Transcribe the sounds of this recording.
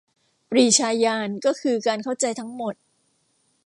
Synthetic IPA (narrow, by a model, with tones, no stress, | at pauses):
pɾiː˨˩t͡ɕʰaː˧jaː˧nkɔː˥˩kʰɯː˧kaː˧nkʰa˥˩wt͡ɕa˧jt̪ʰa˦˥ŋmo˨˩t̪̚